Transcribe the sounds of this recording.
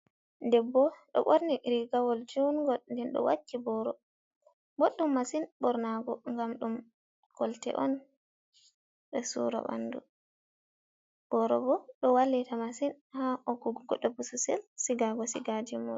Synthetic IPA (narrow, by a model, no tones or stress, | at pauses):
ndɛbɔɗɔ̰ɓoɾniɾiɡawɔld͡ʒunɡɔlndɛnɗɔ̰wat͡ʃːibɔɾɔ | boɗːumːasinɓɔɾnaɡɔŋɡamɗum | kɔltɛ̰ʔɔn | ɗɛsṵɾɔ̰ɓa̰ndu | b̥ɔɾɔbɔɗɔwalːitamasin | haʔɔɡuɡɡɔɗːɔbususɛ̰lsiɡaɡɔsiɡadimɔ